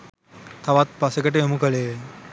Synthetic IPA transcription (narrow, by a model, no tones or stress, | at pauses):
t̪ʰaʋat̪̚pɐsekəʈeomukəleː